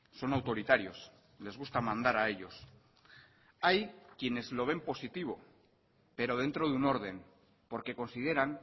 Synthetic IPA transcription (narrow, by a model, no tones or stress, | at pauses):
so̞nawt̪o̞ɾit̪aɾjo̞s | le̞zɣ̞ust̪amãnd̪aɾae̞ʎo̞s | ajkje̞ne̞zlo̞β̞e̞mpo̞sit̪iβ̞o̞ | pe̞ɾo̞ð̞e̞nt̪ɾo̞ðuno̞ɾðe̞n | po̞ɾke̞ko̞nsið̞e̞ɾaŋ